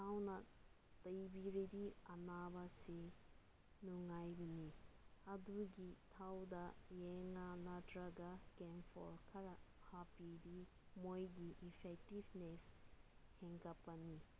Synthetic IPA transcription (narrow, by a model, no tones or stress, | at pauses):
tʰawnɐ | tɐjbiɾidiɐnabɐse | nuŋajbiniɐduɡitʰawdɐjeŋanɐdɾaɡakempʰɔ̰ɾkʰɐɾɐhapidi | mojɡiʔipʰek̚tibnesheŋkapːɐni